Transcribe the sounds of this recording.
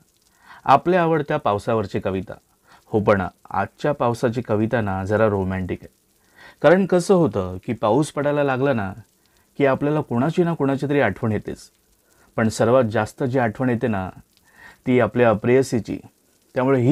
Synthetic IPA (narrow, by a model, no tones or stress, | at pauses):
a̰pleaʋəɭt̪japawsaʋəɾt͡ɕekəʋit̪a̰ | hop̬əɳa̰tt͡ɕjapawsat͡ɕikəʋit̪anad͡zəɾaɾomæɳʈikɛ | kaɾəɳkəsəːɦot̪əkiːpauːspəɽajlalaɡlana | kiːapljalakoɽ̃at͡ɕinakoɽ̃at͡ɕat̪̬əɾiːaʈʰʋəɳjet̪ḛt͡s | pəɳsəɾʋat̪̚d͡zast̪əd͡ʑiaʈʰʋəɳjet̪ena | t̪iːapljaəpɾeəsit͡ɕḭ | t̪jamuɭeɦi